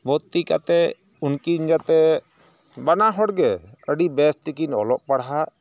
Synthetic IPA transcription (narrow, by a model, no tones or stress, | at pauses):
bɔt̪ika̰t̪ɛ | unkiɲɡat̪ɛ | banaɦɔɽɡɛəɖibɛsʈikinɔlɔʔ̚paɽɦa